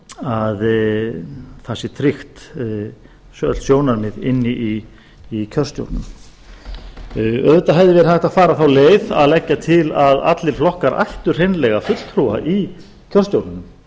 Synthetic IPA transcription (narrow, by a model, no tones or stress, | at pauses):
að | θasɪt̪ʰɾɪxt̪ | sœ̰lt̪sjoːwnaɾmɪðɪnːɪʔi | icʰœr̥st̪jo̰wt̪nʏ̰m | œðʏt̪aɦɛvðɪvɛɾɪhajht̪aðfaːɾaθawleːjða̰ðlɛcːat̪ʰɪlaða̰t̪lɪɾ̥flɔhkaɾʔa̰jht̪ʏɾ̥ejnlɛɣafʏt̪l̥t̪ʰɾua̰ʔi | cʰœr̥st̪jowt̪nʏnm